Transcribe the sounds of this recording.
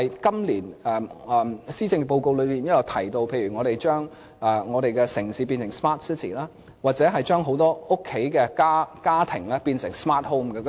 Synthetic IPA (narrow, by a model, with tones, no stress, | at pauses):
ɐ˨jkɐ˥mliː˨˩nɛ˨ɛː˨siː˥t͡sɪ˧ŋ˧po˧wko˧wlɵ˨˧miː˨njɐ˥jɐ˨˩wt̪ʰɐ˨˩jt̪o˧wpʰe˧jyː˨˩ŋɔː˨˧ɾe˨jt͡ʃœː˥ŋ | ɛ˨ŋɔː˨˧ɾe˨jkɛ˧sɪ˨˩ŋsiː˨˧pi˧nsɪ˨˩ŋsmaː˥t̚si˥t̪ʰḭ˨˩laː˥ | waː˨t̚t͡sɛː˨˥ɦɐ˨jt͡ʃœː˥ŋɦo˨˥wt̪ɔː˥ʊ˥kʰːe˨˥jkɛ˧kaː˥kaː˥t̪ʰɪ˨˩ŋlɛː˥piː˧nsɪ˨˩ŋsmaː˥t̚ho˥mkɛ˧